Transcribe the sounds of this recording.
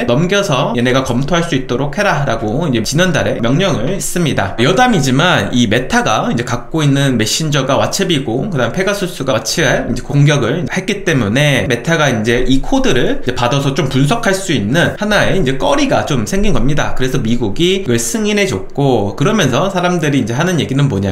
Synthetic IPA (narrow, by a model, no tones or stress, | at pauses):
nʌmɡjʌsʰʌeneɡakʌmtʰoɦaɭs͈uit̚t͈oɾok̚ʰhe̞ɾaɾaɡoind͡ʑe̞t͡ɕinandaɾe̞mjʌŋɲʌŋɯɭis͈ɯmɲida̰jʌdamid͡ʑimanime̞tʰaɡaind͡ʑe̞kak̚k͈oinːɯnme̞ɕ͈ind͡ʑʌɡawat͡ɕʰebiɡokɯdaɯmpʰe̞ɡasʰus͈ʰuɡat͡ɕʰiind͡ʑe̞koŋɡjʌɡɯɭid͡ʑhe̞k͈it͈e̞mune̞me̞tʰaɡaind͡ʑe̞ʔikʰodɯɾɯɭd͡ʑe̞padʌsʰʌt͡ɕompuns̬ʰʌkʰaɭs͈uinːɯnhanae̞ind͡ʑe̞k͈ʌɾiɡat͡ɕomsʰe̞ŋɡinɡʌmɲida̰kɯɾe̞sʰʌmiɡuɡiɡɯɭsʰɯŋinɦe̞d͡ʑok̚k͈okɯɾʌmjʌnsʰʌsʰaɾamdɯɾiːnd͡ʑe̞ɦanɯnje̞ɡinɯnboɲa̰